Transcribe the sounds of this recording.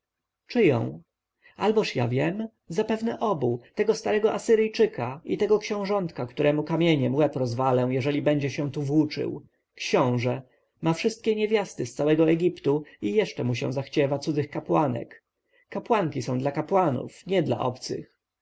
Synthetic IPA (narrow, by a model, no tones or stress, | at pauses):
t͡ʂɘjɔ̰̃w̃ | albɔʂja̰vʲjɛm | zapɛvnɛʔɔbut̪ɛɡɔst̪aɾɛɡɔʔasɘɾɘjt͡ʂɘkait̪ɛɡɔkɕɛ̃w̃ʐɔnt̪kakt̪uɾʔɛmukamʲjeɲɛmwɛpɾɔzvalɛw̃jɛʐɛlʲibɛɲd͡ʑɛɕɛ̃t̪uvwut͡ʂɘ̰w | kɕɔ̃w̃ʐɛ | mafʂɘst̪̚kʲɛɲevʲjast̪ɘst̪sawɛɡɔɛɡʲipt̪uijɛʂt͡ʂɛmuɕɛ̰̃w̃zaxt͡ɕɛvat̪sud̪zɘxkapwanɛ̰k | kːapwaŋkʲisɔ̃w̃d̪lakapwanṵfɲɛd̪la̰ʔɔ̰pt̪sɘ̰x